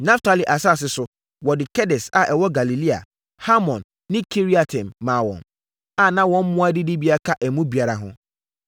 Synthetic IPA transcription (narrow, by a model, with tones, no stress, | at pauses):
nã˦ftʰa˦˨li˨ʔa˨sa˦˨s̬ɪ˦sʊ˨ | wɔ˨dɪ˨kʰɛ˦dɛ˨sa̰˨ʔɛ˨wɔ˦ɡa˨li˨li˦a̰˨ | ha˦mɔ̃˨nːɪ̃˦kʰi˦ɾi˦a˨tʰɛ̃˨mːãː˨wɔ̰̃˨n | a˨nã˦wɔ̃˦m̩˦mʊ̃˦a˦dɪ˦dɪ˦bi˦a˦kʰa˦ʔɛ˨mũ˦bi˨a˨ɾa˨ɦʊ̰̃˦